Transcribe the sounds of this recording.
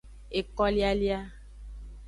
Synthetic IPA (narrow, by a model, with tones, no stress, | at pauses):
e˨kɔ˦li˦a˦li˦a˦